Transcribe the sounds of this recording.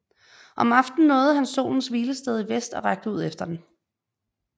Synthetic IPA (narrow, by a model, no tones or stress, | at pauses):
ʔɒ̽mɑ̈fd̥n̩nɔ̽ːð̞̩ˠhænso̝̰ːln̩sʋiːləsd̥eð̞ˠiʋesd̥ɒ̽ʁäɡ̥̚d̥əuð̰ˠefd̥ɐd̥en̩